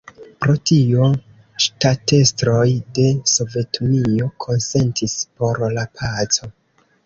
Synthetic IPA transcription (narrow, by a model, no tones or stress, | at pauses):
pɾo̞tio | ʃtate̞stɾo̞jde̞so̞ve̞tunio̞kʰo̞nse̞ntʰispo̞ɾlapʰat͡so̞